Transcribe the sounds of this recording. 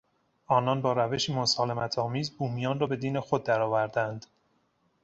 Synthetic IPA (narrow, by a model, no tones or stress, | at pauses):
ʔɒːnɒːnbɒːɾæve̞ʃiːmosɒːle̞mæt̪ʰɒːmiːzbuːmijɒːnrɒːbe̞d̪iːne̞xod̪̚ːæɾɒːvæɾd̪ænd̪̥